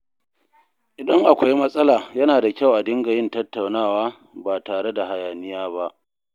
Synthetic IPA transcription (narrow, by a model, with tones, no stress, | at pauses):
ʔɪ˨dɐ˦ŋʔa˨kʷa˦jmɐ˦sʼɐ˦laː˨jɐ˦naː˨da˨kʲa˦wʔa˨dɪ˦ŋɡa˨jɪ˦ntɐ˦tːa˨wnaː˦˨waː˦ | baː˨taː˨ɽe˦da˨ha˨jaː˨nɪ˦jaː˦ba˦ʔ